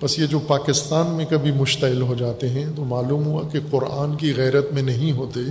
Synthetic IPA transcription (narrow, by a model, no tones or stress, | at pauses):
bɐsjed͡ʒoːpaːkɪst̪aːnmẽkɐbʱimʊʃt̪ɐɪlɦod͡ʒaːt̪eɦɛ̃t̪omaːluːmɦua̰keqʊɾaːnkiɣɛːɾət̪mẽnɐɦĩɦoːt̪e